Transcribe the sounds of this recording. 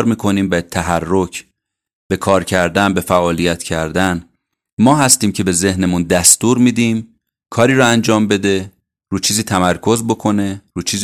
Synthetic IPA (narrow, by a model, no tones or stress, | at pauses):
ɾmiːkʰo̞niːmbet̪ʰæɦærːocʰ | b̥e̞kʰɒːɾcʰæɾd̪ænbe̞fæʔɒːlijæt̪ʰcʰæɾd̪æn | mɒːɦæst̪iːmcʰe̞be̞ze̞hnemund̪æst̪uːɾmid̪iːm | kʰɒːɾiːɾɔænd͡ʒɒːmbe̞d̪e̞ | ruːt͡ʃʰiːziːt̪ʰæmæɾkʰo̞zbo̞kʰo̞ne̞ruːt͡ʃʰiːz